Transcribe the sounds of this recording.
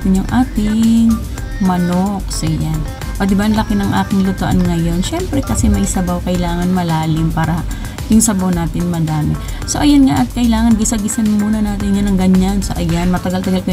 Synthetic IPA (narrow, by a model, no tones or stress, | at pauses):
t̪ɪnjʊŋʔaːt̪ɪŋ | mɐnok̚sɐjan | ʔod̪ɪbaʔɐŋlɐkɪnɐŋʔa̰ːkɪŋlʊt̪oʔa̰nŋɐjo̞nʃɛmpɾɛkɐsɛmɐjsɐbawkɐʔɪlaːŋɐnmɐlaːlɪmpaːɾɐ | jʊŋsɐbawnaːt̪ɪnmɐd̪aːmɪ | soʔɐjanŋaʔɐt̪̚kɐʔɪlaːŋɐnɡɪsɐɡɪsɐnmuːnɐnaːt̪ɪnjanɐŋɡɐɲːansɐ̰ʔɐjanmɐt̪ɐɡalt̪ɐɡalkɐ